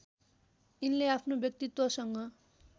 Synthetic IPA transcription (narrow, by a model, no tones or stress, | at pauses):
inleapʰnobjʌk̚t̪it̪wʌsʌŋɡʌ